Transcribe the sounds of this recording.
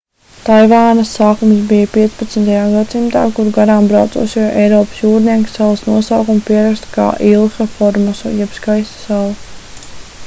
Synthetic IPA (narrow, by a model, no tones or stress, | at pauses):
t̪ajvaːnɐsːaːkumsbijapiɛt̪sʲpat̪snt̪ajaːɡad̪simt̪a̰ːkuɾuɡaɾaːmbɾawt̪sṵːsʲijʔɛjɾɔːpə̥sjuːɾniɛksalˠɐsnuɔsawkumpiɛɾakst̪ka̰ːʔilˠxafɔɾmasṵjɛpskajst̪salˠu